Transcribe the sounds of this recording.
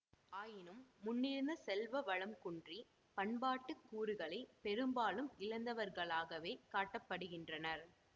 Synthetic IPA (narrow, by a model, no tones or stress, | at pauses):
aːjɪnɯmːʊnːɪɾɯnd̪ɐsɛlʋɐʋɐɻɐmkʊɳdri | pɐɳbaːʈːɯkːuːɾɯɣɐɭɐɪpɛɾɯmbaːlɯmɪɻɐnd̪ɐʋɐɾɣɐɭaːɣɐʋeːkaːʈːɐpːɐɽɯɣɪndrɐnɐɾ